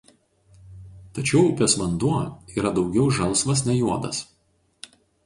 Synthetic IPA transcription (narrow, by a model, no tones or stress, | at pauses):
t̪ɐt͡ʃʲɛʊʊpʲɛsʋɐnd̪uɔiːɾɐd̪ɒʊɡʲɛʊʒɐlˠˑsʋɐsnʲɛjuɔd̪ɐ̰s